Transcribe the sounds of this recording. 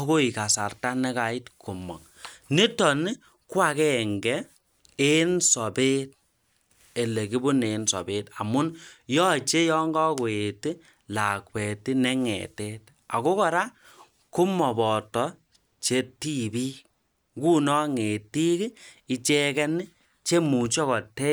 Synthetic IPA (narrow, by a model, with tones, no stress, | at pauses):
ko˦i˨ka˨sa˨rta˦nɛ˦ka˨i˦tkʰo˨mɔ̰˨ŋ | ni˦tɔ˨ni˦ | kwa˦˨kɛ˦˨ŋɡɛ˦ | e˦nsɔ˨be˦t̚ | e˨le˨ki˦bu˦ne˨˦nsɔ̰˨be˦ta˨mʊ˦njɔ˦t͡ʃe˦jɔ˦ŋɡɔ˦ko˨e˨ti˦ | la˨kwɛ˨ti˦nɛ˦ŋɛ̰˨te˦t | a̰˨ko˦kɔ˨ɾa˦ | ku˦mɔ˨bɔ˨tɔ˨˦ | t͡ʃe˦ti˦bi˦ | ku˦nɔ˦ŋe˨ti˦ki˦i˦t͡ʃɛ˦kɛ˦nɪ˦ | t͡ʃe˦mu˨t͡ʃɔ˦kɔ˨tɛ˦